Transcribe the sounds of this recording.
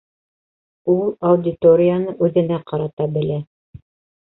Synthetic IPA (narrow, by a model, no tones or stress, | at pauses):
ulˠɐud̪ʲɪt̪oɾʲɪjanɤʔʉðɘ̆næqɑɾɑt̪ɑbɘ̆læ